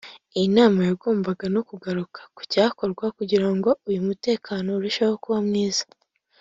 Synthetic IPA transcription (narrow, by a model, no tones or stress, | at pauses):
ijinaːmajaɡoːmbaɡano̞kuɡaɾukʰḁku̥caːko̞ɾɡwakuɟiɾaŋɡo̞ujumute̞ːkʰaːno̞ɾuʃaho̞kuβamŋiːzḁ